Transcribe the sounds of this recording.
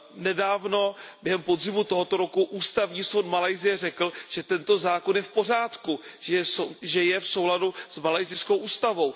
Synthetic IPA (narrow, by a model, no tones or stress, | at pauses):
nɛdaːvno̞bjɛɦɛmpo̞dzɪmut̪o̞ɦot̪o̞ɾo̞kuʔuːst̪avɲiːsowt̪malajzɪjɛr̝ɛkl̩ʒ̥ɛt̪ɛnt̪o̞zaːko̞njɛfpo̞r̝aːt̪kuʒɛsoʒɛjɛfso̞wladusmalajzɪskowʔuːst̪avo̞w